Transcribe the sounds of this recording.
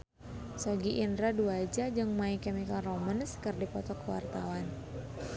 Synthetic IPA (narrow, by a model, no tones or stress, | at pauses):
sɔɡiʔindɾaduad͡ʒad͡ʒɨŋmaikɛmikalromənskɨrdipɔt̪ɔkəwa̰rt̪a̰wan